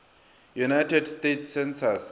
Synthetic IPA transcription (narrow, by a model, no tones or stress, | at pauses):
junajtʰɛdstetʰsɛ̃nsas